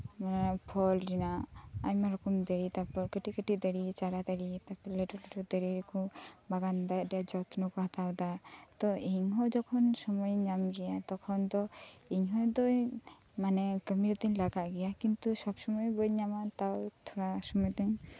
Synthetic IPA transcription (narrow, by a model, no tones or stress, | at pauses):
manpʰɔlɾinaaɲmaɾɔkɔmd̪eɾit̪apɔɾkəʈikəʈid̪əɾit͡ʃaɾad̪aɽit̪apɔɾleʈɔlɛʈɔd̪eɾiɾikɔbaɡand̪aɖɛjad͡ʒɔt̪nɔkɔɦat̪awd̪at̪ɔiɲɦɔ̃d͡ʒɔkʰɔnsɔmɔjɲamɡɛjat̪ɔkʰɔnd̪ɔiɲɦɔjd̪ɔ | manɛkəmiɾɔt̪ɛɲlaɡaʔɡɛjakint̪usɔbsɔmɔjbɔjɲamat̪awt̪ʰɔɽasɔmɔjd̪ɛɲ